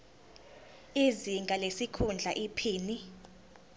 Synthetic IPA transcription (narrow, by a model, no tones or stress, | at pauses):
iziŋɡʱalesikʰund͡ɮʱaʔipʰiːni